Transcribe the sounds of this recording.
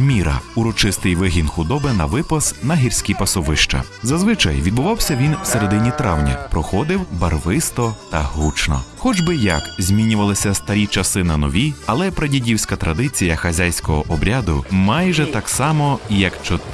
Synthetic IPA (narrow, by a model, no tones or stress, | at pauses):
mʲiɾɐ̰uɾɔt͡ʃɪst̪ɪjʋɪɦʲinxʊd̪ɔbɪnɐʋɪpɐsnɐɦʲirʲsʲkʲipɐsɔʋɪʃt͡ʃɐ̰ | zɐzʋɪt͡ʃɐ̰jʋʲid̪̚bʊʋɑwsʲɐʋʲinwseɾed̪ɪnʲit̪ɾɑwnʲɐ̰pɾɔxɔd̪ɪwbɐrʋɪst̪ɔt̪ɐɦut͡ʃnɔ̰xɔd͡ʒbɪjɐkzʲmʲinʲʊʋɐlˠɪsʲɐst̪ɐɾʲit͡ʃɐsɪnɐnɔʋʲiɐlˠɛpɾɐdʲidʲiwsʲkɐt̪ɾɐd̪ɪt͡sʲijɐxɐzʲajsʲkɔɦɔʔɔbɾʲad̪ʊ̰mɑjʒɛt̪ɑksɑmɔjɐkt͡ʃɔ